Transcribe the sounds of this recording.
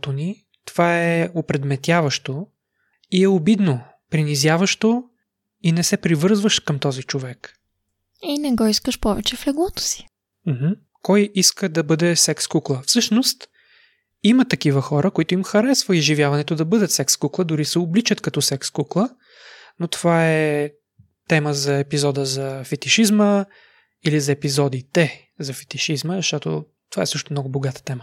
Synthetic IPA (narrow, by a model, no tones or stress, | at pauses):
t̪oni | t̪ov̥aɛʊpɾɛd̪mɛt̪ʲjavəʃt̪o | iɛobid̪no | pɾinizʲjavəʃt̪o | inɛsɛpɾivɤɾzvəʃkɐmt̪ɔzit͡ʃovɛk | inɛɡɔiskəʃpɔvɛt͡ʃɛflɛɡlˠɔt̪o̥si̥ | m̩hm̩ | kɔjiskəd̪ɐbɤd̪ɛsɛkskuklˠəfsɤʃnost̪ | imət̪ɐkivəxɔɾʔəkoit̪ʊimxɐɾɛsvəizʒivʲjavɐnɛt̪ʊd̪ɐbɤd̪ət̪sɛkskuklˠəd̪ʊɾisɛʊblit͡ʃət̪kɐt̪ɔsɛkskuklˠə | not̪ovaɛ | t̪ɛməzɐɛpizɔd̪əzɐfɛt̪iʃizmə | ilizɐɛpizɔd̪it̪ɛ | zɐfɛ̥t̪iʃizməzɐʃt̪ɔt̪o̰ | t̪ova̰ɛsɤʃt̪ʊmnɔɡʊboɡat̪ə̥t̪ɛmə